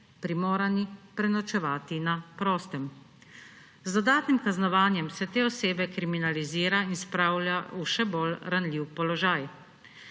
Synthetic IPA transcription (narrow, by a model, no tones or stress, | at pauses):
pɾimoːɾanipɾɛnɔt͡ʃɛʋaːt̪inapɾɔːst̪ɛm | zd̪ɔd̪aːt̪nimkaznɔʋaːnjɛmsɛt̪eːɔseːbɛkɾiminaliziːɾainspɾawljauʃɛbolɾanliwpɔlɔʒaːj